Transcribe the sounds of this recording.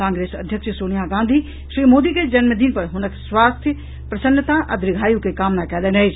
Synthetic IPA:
kãːŋɡɾeːsɐ̰d̪ʱjəkʃəsoːnijaɡãːnd̪ʱi | ʃɾiːmoːd̪iked͡ʒɐnməd̪iːnpɐɾɦʊnəkswaːst̪ʰjə | pɾɐsənːət̪aʔɐd̪ɾɪɡʱaːjukekaːmnakɛːleneed͡ʒ

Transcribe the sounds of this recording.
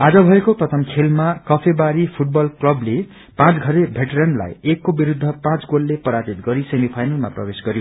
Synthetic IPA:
ad͡zʌbʱʌekoprʌt̪ʰʌmkʰelmakʌpʰebaɾipʰuʈ̚bʌlklʌble | pãt͡sɡʱʌɾebʱeʈeɾʌnla̰jekːobiɾud̪ʱːʌpãt͡sɡolːepʌɾad͡zit̪ɡʌɾisemipʰajnʌlmaprʌ̰besɡʌɾjo

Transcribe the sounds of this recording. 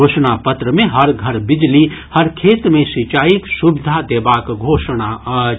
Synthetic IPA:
oːʃnapət̪ɾəmẽɦəɾɡʱəɾbɪd͡ʒlihəɾkʰeːt̪ɾəmẽsit͡ʃaːiksubɪd̪ʱad̪eːbaːkɡʱoːʃna

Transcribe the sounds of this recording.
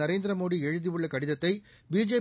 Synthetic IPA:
ɐɾeːnd̪ɪɾɐmoːɽiɛɻɯðiɯɭːɐkɐɽɪðɐt̪ːɐɪ | biːd͡ʒeː

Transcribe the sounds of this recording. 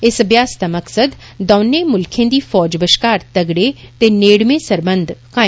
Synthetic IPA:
ɪsbjaːst̪aməksəd̪ː | ɔːneːmʊlkʰẽːd̪iːfʰɔːd͡ʒbəʃkaːɾt̪əɡɽeːt̪eːneːɽmẽːsəɾbənd̪kaː

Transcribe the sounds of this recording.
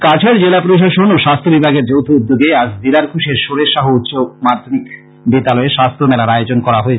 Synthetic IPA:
kat͡ɕʰaɾd͡ʑelapɾoʃ̬aʃonoʃast̪ʰobibʱaɡeɾd͡ʑowt̪ʰoud̪ːoɡeaʃd̪ilaɾkʰuʃeɾʃoɾeʃaɦout̪ːɕomaɾd̪ʱonik | bit̪alɔeʃast̪ʰomɛlaɾajod͡ʑonkɔɾaɦoe

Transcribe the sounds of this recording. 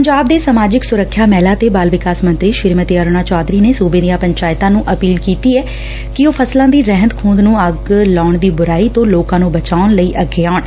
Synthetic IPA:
pəɲd͡ʒaːb̚d̪eːsəmaːd͡ʒɪksʊɾəkʰːjaːmɛːlaːt̪eːbaːlʋɪkaːsmə̃nt̪ɾiːʃɪɾmət̪iəɾnaːt͡ʃaːd̪ɾiːneːsuːbẽːd̪ijãːpəɲt͡ʃaːjɪt̪ãːnũːʔəpiːlkiːt̪iːɛː | kɪoːpʰəslãːd̪iːɾɛɦənt̪kʰũːnd̪nũːəɡlaːɳd̪iːbʊɾaːiːt̪õːloːkãːnũːbət͡ʃaːʊnləiːʔəɡeːaːʊɳ

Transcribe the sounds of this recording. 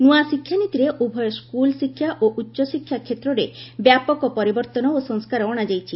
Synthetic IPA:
nuasikʰːjanit̪iɾeʔubʱɔjɔskulsikʰːjaʔoʔutːʃɔsikʰjakʰet̪ɾɔɾebjapɔkɔpɔɾibɔɾt̪ɔnɔosɔŋskaɾɔɔɽ̃ad͡ʒajt͡ʃʰi

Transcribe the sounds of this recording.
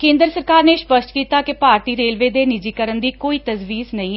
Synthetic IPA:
kẽːnd̪əɾsəɾkaːɾneːʃpəsʈ̪kiːt̪aːkɪpaːɾt̪iːɾeːlʋeːd̪eːnɪd͡ʒiːkəɾənd̪iːkoːiːt̪əzʋiːsnəĩː

